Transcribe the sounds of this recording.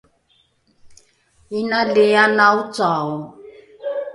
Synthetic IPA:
inalejanaut͡saːɔ

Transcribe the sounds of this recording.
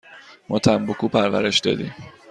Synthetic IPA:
mʔɔt̪ʰæmbokuːpʰæɾvæ̰ɾeʃd̪ɒ̰ːd̪ḭm

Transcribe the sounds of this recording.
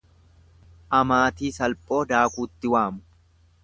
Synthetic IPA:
ʔɐmaːt̪iːsɐlpʼo̞ːd̪aːkuːt̪ːɪwaːmʊ̥

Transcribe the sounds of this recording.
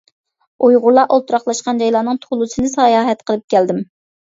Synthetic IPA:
ojʁʊɾlˠɑʔolˠt̪ʰuɾɑχlˠɑʃqɑnd͡ʒɑjlˠɑːnɨŋt̪ʰolˠusɨnɨsɑːjɑːɦɛt̪qʰəlˠɨp̚kʲʰɛld̪ɪm

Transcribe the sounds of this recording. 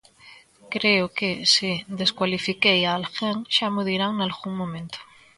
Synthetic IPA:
kɾeokesid̪eskwalifikejaːlxeŋʃamuðiɾaŋnalɣuŋmõmẽnt̪o̥

